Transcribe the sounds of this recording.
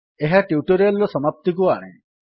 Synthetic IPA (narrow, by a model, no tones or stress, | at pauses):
eɦaʈiuʈɔɾialɔsɔmap̚t̪ik̬ua̰ɽ̃ḛ̃